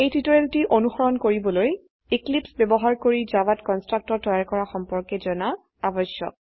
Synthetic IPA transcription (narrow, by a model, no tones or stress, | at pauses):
ejtitɔɹeltiʔonuxɔɹɔnkoɹibɔloj | iklipsbɛbɔɦaɹkoɹid͡ʒabatkɔnstɹak̚tɔɹtɔjaɹkɔɹaxɔmpɔɹkɛzɔna | abɔsjɔ̰k̚